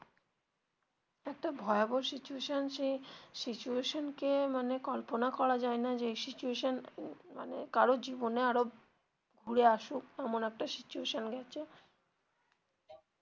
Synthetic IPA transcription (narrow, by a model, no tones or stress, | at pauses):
ɛk̚ʈabʱɔeaboɾsit͡ɕueʃonʃejsit͡ɕueʃonkemanekɔlponakɔɾad͡ʑaenad͡ʑejsit͡ɕueʃonmanekaɾod͡ʑiboneaɾo | ɡʱuɾeaʃukɛmonɛk̚ʈasit͡ɕueʃonɡɛt͡ɕʰe